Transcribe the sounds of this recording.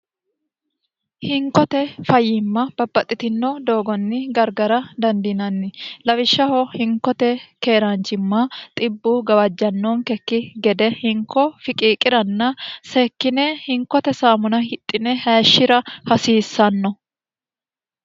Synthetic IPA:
hɪŋkɔt̪ɛfɐjːɪmːɐb̥ɐbːɐt̪ʼːɪt̪ɪnːɔd̪o̞ːɡɔnːɪɡɐɾɡɐɾɐd̪ɐnd̪ɪnɐnːɪlɐwɪʃːɐhɔhɪŋkːɔt̪ɛke̞ːɾant͡ʃːɪmːɐt̪ʼɪbːuɡɐwɐd͡ʒːɐnːɔːŋkɛkːɪɡɛd̪ɛhɪŋkːɔfɪkʼiːkʼɪɾɐnːɐseːkːɪnɛhɪŋkɔt̪ɛsaːmʊnɐhɪt̪ʼːɪnɛhaːʃːɪɾɐhɐsiːsːɐnːɔ

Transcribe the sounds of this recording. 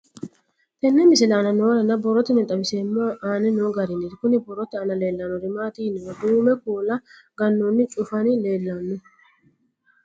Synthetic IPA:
t̪ɛnːɛmɪsɪlɐːnɐnoːɾɐnɐbɔrɔt̪ːɪnɛt̪ʼɐbɪseːmːoːaːnɛnoːɡɐɾɪnɪɾkʊnɪbɔrɔt̪ːɪɐnɐle̞ːlːɐnːɔɾɪmaːt̪inɪwɔd̪uːmɛkuːlɐ | ɡɐnːonːɪt͡ʃʼʊfɐnɪle̞ːlːɐnːʊ

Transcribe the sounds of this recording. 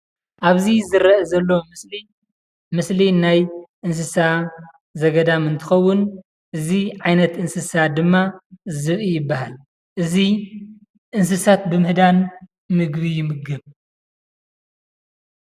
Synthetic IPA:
ʔaβzizɨɾɐʔɐzɐlːomɨsli | mɨslinajʔɨns̬ɨsa | zɐɡɐd̪amɨnt̪ʰɨxɐwːʊn | ʔɨziʕajnɐt̪ɨnsɨsad̪ɨmːazɨβijɪbːahal | ʔɨzi | ʔɨns̬ɨsat̪bɨmɨhd̪an | mɨɡbijɪmɨɡɨβ

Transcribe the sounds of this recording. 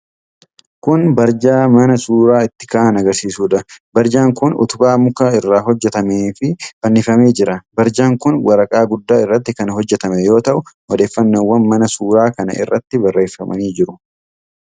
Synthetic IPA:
kʊnbɐɾd͡ʒaːmɐnɐsuːɾaːɪt̪ːɪ̥kaːnɐɡɐɾsiːsuːᶑɐbɐɾd͡ʒaːŋkʊnʊ̰t̪ʊbaːmʊkaɪrːaːɦɔd͡ʒːɛt̪ɐmeːfɪbɐnːɪfɐme̞ːd͡ʒɪɾɐbɐɾd͡ʒaːŋkʊnwɐɾɐkʼaːɡʊd̪ːaːɪrːɐt̪ːɪkɐnɦɔd͡ʒːɛt̪ɐmɛjo̞ːt̪ɐʔʊʔɔd̪e̞ːfːɐnːoːwːɐnmɐnɐsuːɾaːkɐnɐ̰ʔɪ̰rːɐt̪ːɪbɐrːe̞ːfːɐmʔɐ̰niːd͡ʒɪɾʊ

